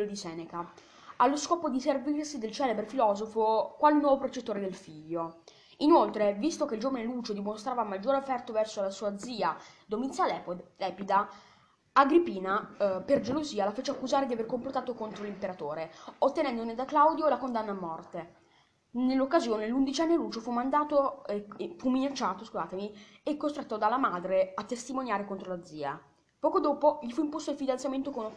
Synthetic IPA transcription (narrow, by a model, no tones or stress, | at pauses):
od̪isɛːneka | alːoskɔːpod̪iservirsid̪elt͡ʃɛːlebɾefilɔːzofokwalnːwɔːvopɾot͡ʃet̪ːoːɾed̪elfiʎːo | inolt̪ɾevist̪okeild͡ʒoːvaneluːt͡ʃod̪imost̪ɾaːvamːad͡ʒːoːɾeofːɛrt̪ovɛrsolasuːad̪ziːad̪omint̪salɛːpolɛːpid̪a | aɡɾipiːnaperd͡ʒeloziːalafeːt͡ʃeakːuzaːɾed̪iaverkomplot̪aːt̪okont̪ɾolimpeɾat̪oːɾeot̪ːenɛnd̪oned̪aklawd̪jolakond̪anːaːmːɔrt̪e | nelːokːazjoːnelːund̪it͡ʃanːeluːd͡ʒofumːand̪aːt̪oeefumːinat͡ʃːaːt̪oskuza̰ːt̪emiekːost̪ɾɛt̪ːod̪alːamaːd̪ɾeat̪ːest̪imonjaːɾekont̪ɾolad̪zːiːa̰ | pɔːkod̪oːpoʎifuimpost̪oilfid̪ansjament̪okono